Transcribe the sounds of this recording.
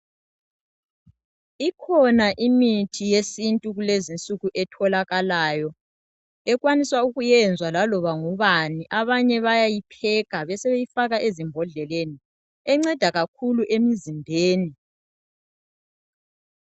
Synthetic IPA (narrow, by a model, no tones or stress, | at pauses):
ikʰɔnaʔimitʰijesintʼuɣulezint͡sʼuɣuʔɛtʰɔlaɣalaːjɔ | ɛɣwaniswauɣujɛnd͡zʱwalalɔβaŋuβaniʔaβaɲɛβajajipʰɛɣaβɛsɛβejifaɣaʔezimbʱɔɮɛleni | ɛŋ͡ǀɛd̥ʱaɣakʰuluʔemizimbʱeːni